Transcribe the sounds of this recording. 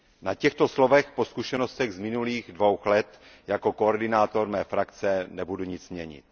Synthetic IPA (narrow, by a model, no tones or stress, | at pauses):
nacɛxt̪o̞slovɛxpo̞skuʃɛnost̪ɛɣzmɪnuliːɣdvo̞wxlɛt̪ | jako̞koːɾdɪnaːt̪o̞ɾmɛːfɾakt͡sɛnɛbuduɲɪt͡smɲɛɲɪ̰t̪̚